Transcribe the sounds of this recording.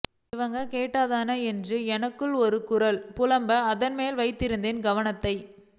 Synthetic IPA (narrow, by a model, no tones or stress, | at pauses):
ɪʋɐŋɡɐkeːʈːaːðaːnɐɛndrɯɛnɐkːɯɭɔɾɯkʊɾɐlpʊlɐmbɐːðɐnmeːlʋɐɪt̪ːɪɾɯnd̪eːnɡɐʋɐnɐt̪ːɐɪ